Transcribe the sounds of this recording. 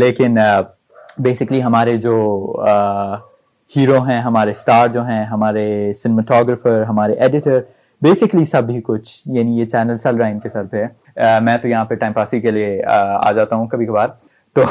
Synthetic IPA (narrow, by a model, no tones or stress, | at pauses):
leːkɪn | beːsɪkliɦɐmaːɾed͡ʒoː | hiːɾoɦɛ̃ɦɐmaːɾesʈaːɾd͡ʒoːɦɛ̃ɦɐmaːɾesɪnməʈʰɔːɡɾəfəɾɦɐmaːɾeʔeːɖɪʈəɾ | beːsɪklisɐbɦikʊt͡ʃʰjaːnijet͡ʃɛːnəlsɛlɾaːɪnkesɐɾpɦɛ | mɛ̃ːt̪ojɐɦãpɐʈaːɪmpaːsikeliea̰ːd͡ʒaːt̪aɦũkɐbʱikɐbaːɾ | t̪oː